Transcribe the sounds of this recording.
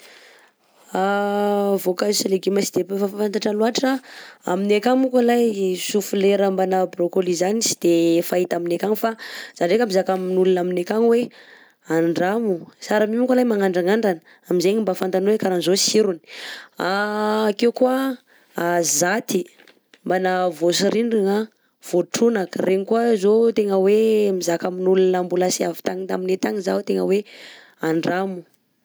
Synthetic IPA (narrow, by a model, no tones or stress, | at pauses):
a | vokasaleɡemasid̪epefafafant̪aʈ͡ʂaluaʈ͡ʂaa̰minekaŋukalajsufuleɾambanabɾokolizanisi̥d̪̥efait̪aminekaŋifaz̥anɖ͡ʐekamizakaminulunaminekaŋwe | aɳɖ͡ʐamusaɾamimukalajmaŋaɳɖ͡ʐaŋaɳɖ͡ʐanə | amizeɲimbafant̪anuwekaɾanzosiɾuni̥akewkuə | azat̪i | mbanavosiɾiɳɖ͡ʐiŋa | v̥oʈ͡ʂunakərʔeɲikuəzot̪eŋəwemizakaminulunambulasiavi̥t̪aɲit̪aminet̪aŋizaut̪eŋə̰we | aɳɖ͡ʐamu